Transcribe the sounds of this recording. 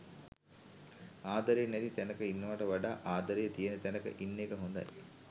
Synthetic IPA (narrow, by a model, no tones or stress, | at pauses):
aːd̪ɐɾijɐnɛt̪it̪ɛnɐkɐinːɐʋaːʈɐʋɐɖaːʔaːd̪ɐɾijɐt̪ijɐnet̪ɛnɐkɐ̰ʔinːeːkɐɦund̪ɐ̰j